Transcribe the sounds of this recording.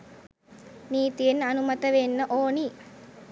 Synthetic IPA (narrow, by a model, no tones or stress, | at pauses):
niːt̪ijenɐnumɐt̪əʋenːəʔoːni